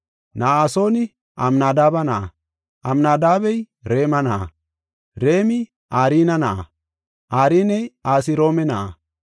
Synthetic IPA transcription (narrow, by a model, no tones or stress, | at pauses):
nasoni | a̰mnad̪abana̰ | amnad̪aːbej | ɾeːmana̰ | ɾeːmi | aɾinana̰ | aɾinejaːs̬iɾoːmɛna̰